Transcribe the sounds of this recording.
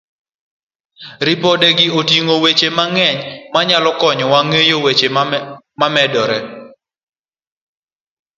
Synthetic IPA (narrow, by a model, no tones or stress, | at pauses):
ɾipɔdɛɡɪotiŋowet͡ʃemaŋɛɲmaɲalɔkɔɲɔwaŋejowet͡ʃe | mamɛdɔɾɛ